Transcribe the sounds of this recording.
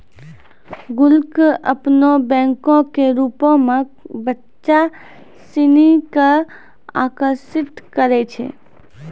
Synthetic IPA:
ɡʊlkəpnobɛ̃ŋkõkeɾupõmẽbətː | ʃa | sinika | a̰kəɾsit̪kəɾɛt͡ʃʰɛ̰

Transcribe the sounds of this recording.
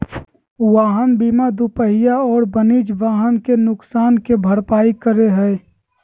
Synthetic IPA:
ʋaːɦənbiːmad̪upəɦɪjaɔːɾbəniːd͡ʒʋaːɦənkenʊksaːnkebʱəɾpaːikəɾeɦɛː

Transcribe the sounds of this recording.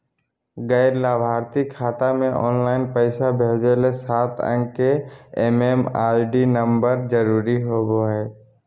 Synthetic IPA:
ɡəɪɾlaːbʱaːɾt̪ikʰːaːt̪amẽʔɔ̰ːnlaːɪnpəɪsabʱeːd͡ʒelesaːt̪ʰə̰̃ŋɡkeeːmeːmaːɪɖinə̃mbəɾd͡ʒəɾuːɾiɦoɡoɦɛː

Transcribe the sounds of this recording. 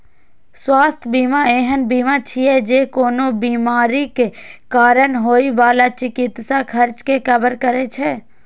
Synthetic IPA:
swaːst̪ʰbiːmaeːɦənbiːmat͡ʃʰiɛd͡ʒeːkoːnobiːmaːɾikekaːɾənɦoːiʋaːlat͡ʃɪkɪt̪sakʰəɾt͡ʃkekəbəɾkəɾet͡ʃʰɛ

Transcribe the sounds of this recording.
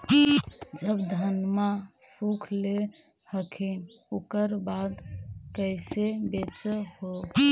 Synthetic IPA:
d͡ʒəbd̪ʱənmasukʰle | həkʰinokəɾbad̪kəjsebet͡ʃəɦo

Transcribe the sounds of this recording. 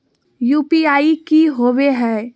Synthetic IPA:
juːpiaːikiɦoːweɦɛː

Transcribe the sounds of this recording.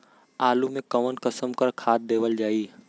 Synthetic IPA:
aːlumẽkəʋənkəsəmkəɾkʰaːt̪̚d̪eːʋəld͡ʒaːi

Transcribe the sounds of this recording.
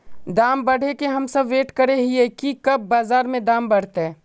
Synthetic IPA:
d̪aːmbɐɽ̤ʱekeɦɐmsɐbʋeːʈkɐɾeɦiekikɐb̚ːaːzaːɾmẽd̪ãːmbɐɽ̤t̪eɛː

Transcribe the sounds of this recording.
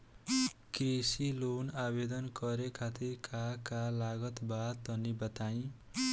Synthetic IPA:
kresilonabed̪ʌnkʌɾekʰat̪irkakalaɡʌt̪bat̪ʌnibʌt̪aj̃

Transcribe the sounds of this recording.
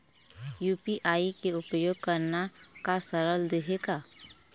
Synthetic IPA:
juːpiʔaːikeʊpəjoːɡ̚kəɾnakasəɾəld̪eɦeɡaː

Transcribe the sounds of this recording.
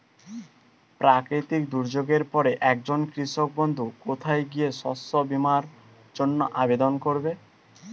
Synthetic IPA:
pɾakɾit̪ikd̪uɾd͡ʑoɡeɾpɔɾeʔɛk̚d͡ʑonkɾiʃok̚bond̪ʱukot̪ʰajɡieʃɔsobimaɾ | d͡ʑonːo̰ʔabed̪onkoɾbe

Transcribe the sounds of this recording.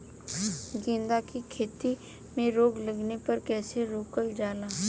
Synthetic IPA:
ɡẽːnd̪akikʰeːt̪i | mẽɾoːɡləɡnepɐɾkɛːseɾoːkəld͡ʒaːlaː

